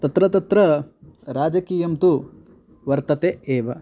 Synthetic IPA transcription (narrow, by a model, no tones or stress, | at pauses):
t̪ɐt̪ɾɐt̪ɐt̪ɾɐɾaːd͡ʒɐkiːjɐmt̪u | ʋɐɾt̪ɐt̪eeːʋɐ